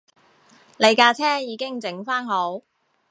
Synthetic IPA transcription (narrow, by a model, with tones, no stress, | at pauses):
le˨˧jkaː˧t͡sʰɛː˥ŋjiː˨˧kɪ˥ŋt͡sɪ˨˥ŋfaː˥nɦo˨˥w